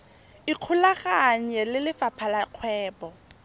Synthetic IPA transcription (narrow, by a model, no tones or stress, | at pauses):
iq͡χʰʊlaχaŋ̩jelɪlɪfapʰalaq͡χʰwɛːpɔ